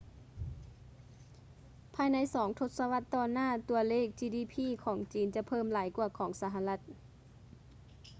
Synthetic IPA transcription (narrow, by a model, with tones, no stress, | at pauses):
pʰaː˧jna˧˥jsɔː˩˦ŋt̪ʰo˧t̪̚sa˧wa˧˥t̪ːɔː˧˩naː˥˨t̪u˧ɐleː˥˩k̚t͡ɕiː˧˩diː˧˩pʰiː˧˥˨kʰɔː˩˦ŋt͡ɕiː˨˦nt͡ɕa˧˦pʰɤː˧˩˨mlaː˨˩˦jku˧ɐkʰɔː˩˦ŋsa˧˦ɦa˧la˧˦t̪̚